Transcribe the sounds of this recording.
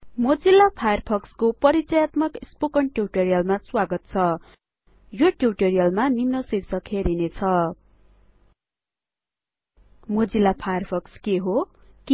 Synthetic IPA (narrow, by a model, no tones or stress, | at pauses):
mʌd͡zilːapʰajʌrpʰʌkskopʌɾit͡sʌjat̪mʌkispokʌɳʈjuwʈeɾijʌlmaswaɡʌt̪̚t͡sʰʌ | joʈuwʈeɾijʌlmanimnʌsirt͡sʰʌkʰeɾinet͡sʰʌ | mʌd͡zilːapʰajʌrpʰʌkskeɦo | ki